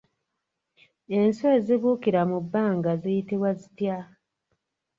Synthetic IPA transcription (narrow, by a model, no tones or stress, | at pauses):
e̞nsweziβuːkiɾamubːaːŋɡazijitiβwazitja